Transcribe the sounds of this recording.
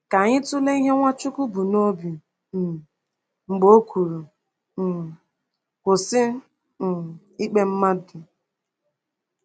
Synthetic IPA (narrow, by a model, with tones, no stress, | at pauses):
ka˨ɲɪ˦tʊ˦le˦i˦ɦe˦ŋʷa˦t͡ʃʊ˦kʊ˦bu˨no˦bi˨ | ŋ͡m̩˨ɡ͡bo˦kʷu˨ɾu˨ | kʷʊ˨sɪ˦˨ | i˦k͡pe˦m̩˦ma˦dʊ˨